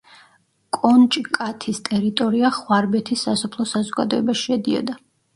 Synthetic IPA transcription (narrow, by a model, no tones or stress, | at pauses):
kʼɔnt͡ʃʼkʼat̪ʰist̪ʼɛɾit̪ʼɔɾiaχwaɾbɛt̪ʰisːasɔpʰlˠɔsazɔɡa̰d̪ɔɛbaʃiɛd̪iɔ̰d̪a